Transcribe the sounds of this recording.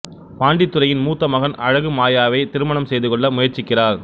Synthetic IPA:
paːɳɖɪt̪ːɯɾɐjɪnmuːt̪ːɐmɐɣɐnɐɻɐɣɯmaːjaːʋɐɪt̪ɪɾɯmɐnɐmsɛjðɯkɔɭːɐmʊjɐɾt͡ʃɪkːɪraːɾ

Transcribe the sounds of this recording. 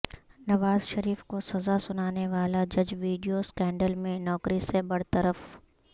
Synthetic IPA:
nɐʋaːzʃɐɾiːfkosɐzasʊnaːneʋaːlad͡ʒɐd͡ʒʋiːɖijoskɛ̃ːɳɖəlmẽnɔːkɾisebɐɽt̪əɾəf

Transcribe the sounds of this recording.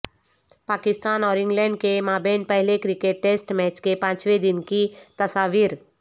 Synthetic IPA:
paːkɪst̪aːnɔːɾɪ̃ŋɡlɛ̃ːɳɖ̚kemaːbeːnpəɦlekɾɪkeʈ̚ːeːsʈmɛːt͡ʃkepãːt͡ʃʋed̪ɪnkit̪ɐsaːʋiːɾ

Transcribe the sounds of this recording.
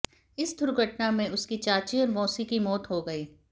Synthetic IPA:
ɪsd̪ʱʊɾɡʱɐʈnamẽʊskit͡ʃaːt͡ʃiɔːɾmɔːsikimɔːt̪ɦoɡɐiː

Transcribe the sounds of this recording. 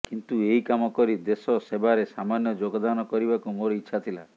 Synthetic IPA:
kint̪ueɦikamɔkɔɾid̪esɔsebaɾesamanjɔd͡ʒoɡɔd̪anɔkɔɾibakumoɾiːʃʰat̪ʰila̰

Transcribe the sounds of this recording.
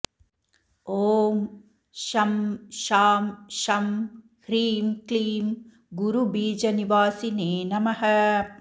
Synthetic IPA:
oːm | ʃɐmʃaːmʃɐm | hɾiːmkliːm | ɡuɾubiːd͡ʒɐniʋaːsineːnɐmɐhɐ

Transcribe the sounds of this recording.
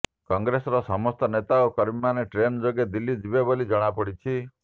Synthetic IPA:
kɔŋɡɾesɔɾɔsɔmɔst̪ɔnet̪aokɔɾbimaneʈɾenɔd͡ʒoɡed̪ilːid͡ʒibebolid͡ʒɔɽ̃apɔɽit͡ʃʰi

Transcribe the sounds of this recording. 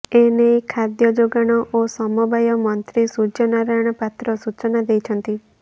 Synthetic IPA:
enekʰad̪jɔd͡ʒoɡaɽ̃ɔʔosɔmɔbajɔmɔnt̪ɾisud͡ʒɔnaɾajɽ̃ɔpat̪ɾɔsut͡ʃɔnad̪ejt͡ʃʰənt̪i

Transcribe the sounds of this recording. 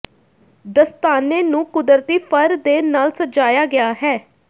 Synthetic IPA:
d̪əst̪aːneːnũːkʊd̪əɾt̪iːpʰəɾd̪eːnaːlsət̪d͡ʒaːjaːɡɪaːɦɛː

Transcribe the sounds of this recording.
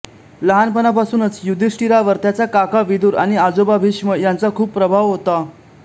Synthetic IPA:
ləɦanpənapasuːnət͡sjud̪ʱisʈiɾaʋəɾt̪jat͡sakakaʋid̪uːɾañiad͡zobabʱiʂməjant͡sakʰuːppːɾəbʱaʋɦot̪a

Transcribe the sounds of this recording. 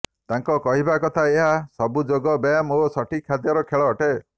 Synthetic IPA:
t̪aŋkɔkɔɦibakɔt̪ʰaeɦasɔbud͡ʒoɡɔbamosɔʈʰikʰːad̪jɔɾɔkʰeɭɔːʈe

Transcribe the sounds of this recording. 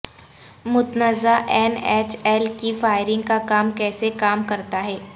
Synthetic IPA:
mʊt̪nəzaʔɛːnɛːt͡ʃɛːlkifaːɪɾɪ̃ŋɡkakaːmkɛːsekaːmkɐɾt̪aɦɛː

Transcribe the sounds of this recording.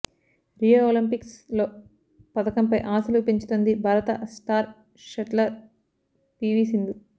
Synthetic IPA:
ɾijooːlimpikslo̞ː | pɐd̪ɐkɐmpɐjʔaːsulupeɲt͡ʃi̥t̪ond̪ibʱaːɾɐt̪ɐ̰sʈaːɾ | ʃɐʈlɐɾ | piːʋiːsind̪u

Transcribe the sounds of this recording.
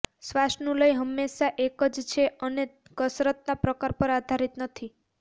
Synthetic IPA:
sʋasʈnũləjɦəmːeʃaʔekəd͡ʒt͡ʃʰeʔəne | kəsɾət̪̚napɾəkaɾpəɾad̪ʱaɾit̪nət̪ʰi

